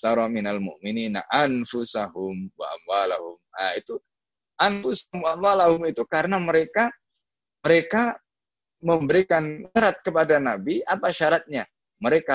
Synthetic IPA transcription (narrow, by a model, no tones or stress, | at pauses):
t̪aɾɔminalmʊ̰ʔminina̰ʔanfʊsahʊmwa̰ʔa̰mwalahʊmait̪u | ʔanfʊsaʊmwaamwalahʊmit̪ukaɾənaməɾeka | məɾeka | məmbəɾikanŋəɾat̪̚kəpadanabiʔapaʃaɾat̪̚ɲa | məɾeka